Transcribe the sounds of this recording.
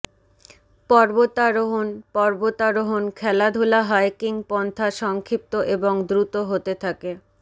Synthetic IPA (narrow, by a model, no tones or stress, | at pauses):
pɔɾbot̪aɾoɦonpɔɾbot̪aɾoɦonkʰɛlad̪ʱulaɦajkiŋpɔnt̪ʰaʃɔŋkʰip̚t̪oʔeboŋd̪ɾut̪oɦot̪et̪ʰake